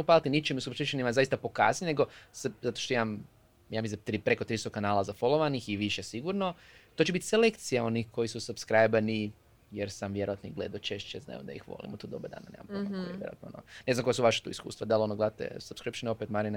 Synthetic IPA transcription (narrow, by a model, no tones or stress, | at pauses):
mupalt̪init͡ʃemiusupskɾipʃenimazajist̪apo̞ka̰snʲneɡoszat̪oʃt̪oimam | jaːmislimt̪ɾipɾe̞kot̪ɾist̪okanaːlˠazafolˠoʋanixiʋiʃesiɡuɾno̞ | t̪o̞t͡ʃebit̪i̥selekt̪sijao̞nixko̞jisusupskɾajbani | jeɾsamʋje̞ɾojat̪noiɡlḛd̪at͡ʃeʃt͡ʃezna̰jo̰d̪a̰jḭxʋo̰lˠḭmot̪ud̪obaɾd̪a̰ːnaneːma̰mpomoḛjeɾo̰a̰t̪noono̰neznamkojasuʋaʃḁt̪uiskṵːst̪ʋad̪alo̞noɡled̪at̪ḛsubskɾipʃeno̞pet̪maɾina